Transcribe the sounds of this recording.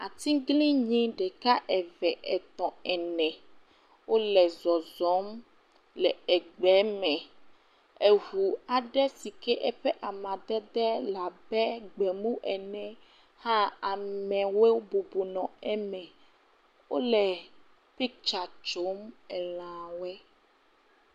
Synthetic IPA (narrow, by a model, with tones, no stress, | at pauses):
a˨t̪ĩ˦ɡlĩ˦ɲĩ˦ɖɛ˨ka˦ʔɛ˨vɛ˨ʔɛ˨t̪ɔ̃˨ɛ˨nɛ̃˨ | wo˦lɛ˨zɔ˨zɔ˨˦m | lɛ˨ɛ˨ɡ͡bɛ˨˦mɛ̃˨ | e˨ɦu˨a˨ɖɛ˦si˨kɛ˦ʔɛ˦ɸɛ˦ʔa˨mã˨d̪ɛ˦d̪ɛ˦la˨bɛ˦ɡ͡bɛ˨mũ˦ʔɛ˨nɛ̃˨ | hã˦a˨mɛ̃˨we˦wbo˨bo˨nɔ̃˨ɛ˦mɛ̃˨ | wo˦lɛ˨ | pi˦k̚t͡ʃa˨t͡ʃo˦mɛ˨l̃ã˨wɛ˦